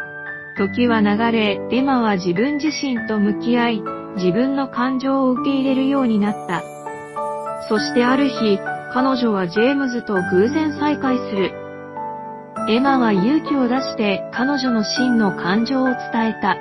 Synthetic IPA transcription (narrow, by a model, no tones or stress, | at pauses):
kʲo̞k̬ʲiβanaɡaɾe̞e̞maβ̞ad͡ʑibɯ̟̃ɲd͡ʑiɕĩnt̪o̞mɯ̟kʲiai | d͡ʑibɯ̟̃nːo̞kãɲd͡ʑo̞ːɯ̟ke̞iɾe̞ɾɯ̟jo̞ːɲ̟inat̪ːa | so̞ɕi̥t̪e̞aɾɯ̟çikano̞ʑo̞β̞ad͡ʑe̞ːmɯ̟zɨt̪o̞ɡɯ̟ːzẽ̞ɰ̃saikaisɨɾɯ̟ | e̞maβajɯ̟ːkʲio̞d̪aɕi̥t̪e̞kano̞ʑo̞no̞ɕĩnːo̞kʰãɲd͡ʑo̞ːt͡sɨ̥t̪ae̞t̪a